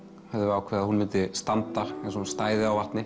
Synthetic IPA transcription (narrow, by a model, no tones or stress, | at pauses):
hɛðɪvaɾawkʰvɛɾðahunmɪnt̪ɪst̪ant̪aɛ̃s̬ɔunst̪aːjðɪawvaht̪nɪ